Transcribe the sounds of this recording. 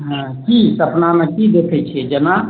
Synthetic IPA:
ɦə̃ | kisəpnamẽkid̪ekʰət͡ʃʰiɛd͡ʒəna

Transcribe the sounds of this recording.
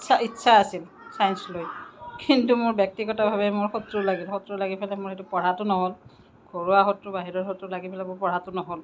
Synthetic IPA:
ʃʰaitːsʰaasil | sajnslojkintumʊɹbjɛk̚tiɡɔtabʱabɛmʊɹxɔtɹolaɡilxɔtɹɔlaɡipʰɛlɛmʊɹxetupɔɹatʊnɔɦol | ɡʱoɹuaxɔtɹʊbaɦiɹɔɹxotɹɔlaɡipʰɛlɛmʊɹpɔɹatʊnɔɦol

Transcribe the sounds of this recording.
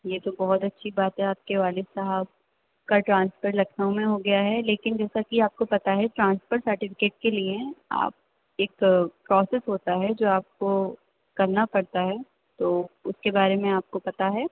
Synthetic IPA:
jeːt̪obɔɦɔt̪ɐtːʃʰibaːt̪ɦɛ̃aːp̚keʋaːlɪsɐɦəb̚ | kaʈɾãːnsfəɾlɐkʰnaõmẽɦoɡɐjaɦɛleːkɪnd͡ʒɛːsakiaːp̚kopɐt̪aɦɛʈɾãːnsfəɾsɐɾʈɪfɪ̥keːʈ̚keliea̰ːp̚ | eːkpɾɔːsɛsɦoːt̪aɦɛd͡ʒoːaːp̚ko | kɐɾnapɐɽt̪aɦɛ | t̪oːʊskebaːɾemẽaːp̚kopɐt̪aɦɛː

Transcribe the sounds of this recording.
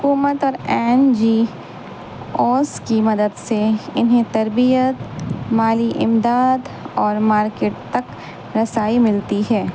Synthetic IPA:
ɦʊkuːmət̪ɔːɾɛːnd͡ʒiː | ɔːskimɐd̪əd̪seɪnɦẽt̪ɐɾbijət̪maːliʔɪmd̪aːd̪ɔːɾmaːɾkeːʈ̚t̪ɐk | ɾɐsaːimɪlt̪iɦɛː

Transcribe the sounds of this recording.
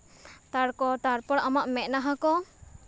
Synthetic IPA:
t̪aɽkɔt̪aɾpɔɽamaʔmɛt̪̚ˀnaɦãkɔ

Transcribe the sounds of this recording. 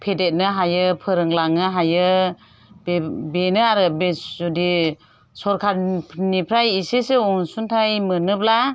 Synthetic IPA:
pʰedet̚nɯɦajɯpʰɯɾɯŋlaŋɯɦajɯ | bbenɯaɾɯbeudi | sɔɾkʰaɾʰnipʰɾajiseseɔŋsuntʰajmɯnɯp̚la

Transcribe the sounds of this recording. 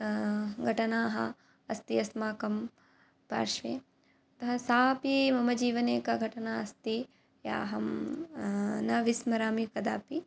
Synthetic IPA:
ɡʱɐʈɐnaːɦɐ̰ | ɐst̪iɐsmaːkɐm | pa̰ːɾʃʋḛː | t̪ɐɦɐsaːpimɐmɐd͡ʒiːʋɐneːkɐɡʱɐʈɐnaːɐst̪i | ja̰ːɦɐm | nɐʋismɐɾaːmikɐd̪aːpi

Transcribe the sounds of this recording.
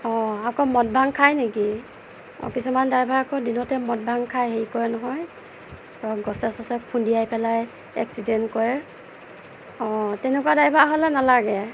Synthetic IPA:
ɔakɔmɔt̚bʱaŋkʰajneki | ɔ̰kisumandajbʱaːkɔdinɔtɛmɔt̚bʱaŋkʰajɦeikɔɹɛnɔɦɔj | ɔɡɔsɛsɔsɛkʰundijajpɛlaj | ɛ̰ksidɛntkɔɹɛ | ɔ̃tɛnɛkuwadajbʱaɦɔlɛnalaɡɛ

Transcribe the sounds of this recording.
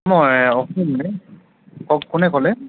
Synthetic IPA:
mɔɔkimanɛ | kɔkʊnɛkɔlɛ

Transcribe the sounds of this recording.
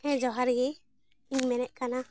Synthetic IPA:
ɛ̃d͡ʒɔɦaɾɡɛ | iɲmɛnɛʔ̚kana

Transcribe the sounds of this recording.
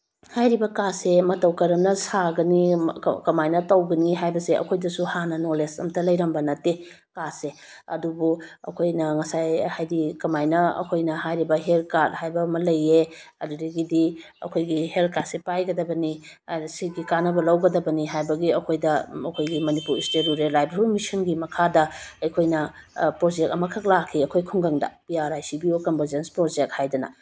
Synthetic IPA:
hajɾibɐkasemɐtɐwkɐɾɐmnɐsaɡɐnḭkɐmajnɐtɐwɡɐniɦajbɐseʔɐ̰kʰojdɐsuhanɐnolesɐ̰mtʰɐlɐjɾɐmbɐnɐte | kase | ɐ̰dubuɐ̰kʰojnɐŋɐsajhajdikɐmajnɐɐ̰kʰojnɐɦajɾibɐɦelkaɾ̚hajbɐmɐlɐje | ɐdudiɡidi | ɐ̰kʰojɡihel̚kʰat̚sepajɡɐdɐbɐni | siɡikanɐbɐlawɡɐdɐbɐniɦajbɐɡiɐkʰojdɐɐkʰojɡimɐnipuɾisteɾuɾelajbɾulmisɐnɡimɐkʰadɐɐjkʰojnɐpɾod͡ʒek̚ɐmɐkʰɐk̚lakʰiɐkʰojkʰuŋɡɐŋdɐ̰pijaɾajsibiokɔmbɐɾzenspɾod͡ʒek̚t̚hajdɐnɐ̰

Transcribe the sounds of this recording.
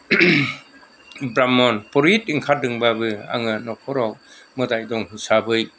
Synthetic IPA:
bɾamɔnpɔɾit̚iŋkʰat̚dɯŋbabɯa̰ŋɯnɔkʰɔɾɔw | mɯdajdɔŋɦisabɯj

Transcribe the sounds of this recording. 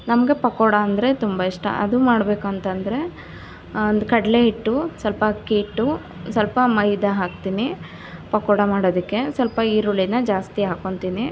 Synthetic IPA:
nɐmɐɡe̞pɐkoːɽɐɐnd̪ɾe̞t̪umbɐiʂʈɐ̰ʔɐ̰d̪umaːɽbe̞ːkuɐnt̪ɐnd̪ɐɾe̞ | nd̪ukɐɽɐle̞ɦiʈːusɐlpɐkːiːʈːu | sɐlpɐmɐjd̪ɐɦaːk̚t̪iːni | pɐkoːɽɐmaːɽoːd̪ikːe̞sɐlpɐiːɾuɭinɐd͡ʒaːst̪iɦaːko̞ɳt̪iːni

